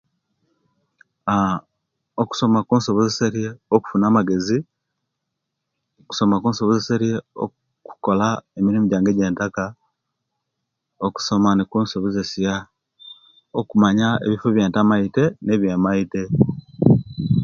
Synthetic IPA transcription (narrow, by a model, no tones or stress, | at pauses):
a | oku̥so̞makuːnso̞βozeseɾjeoku̥funaːmaɡe̞zi | oku̥so̞makuːnso̞βozeseɾjeo̰ | ku̥ko̞laemiɾimuɟaːŋɡeɟe̞ːntaka | oku̥so̞manikuːnso̞βozesija | okumaɲaḛβifoβjeːntamaite̞ne̞βjemaite